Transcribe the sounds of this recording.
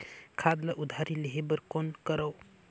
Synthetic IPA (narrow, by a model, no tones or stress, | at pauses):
kʰad̪ləʔud̪ʱaɾiliɦebəɾkonkəɾəw